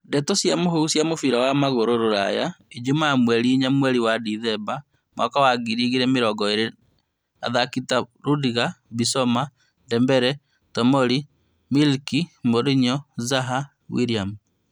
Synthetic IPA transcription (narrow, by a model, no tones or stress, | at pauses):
ndɛtosjamoɦousjamofiɾawamaɣoɾoɾoɾa̰ja̰ed͡ʒumamwɛɾiiɲamwɛɾiwadiðɛba | mwʔakawaɡiɾiɣiɾɛmeɾɔɡɔeɾe | a̰ðakitaɾudiɣabisɔma | ndɛmbɛɾɛ | tɔmɔɾi | milkimoɾiɲɔzaɦa | wḭɾiam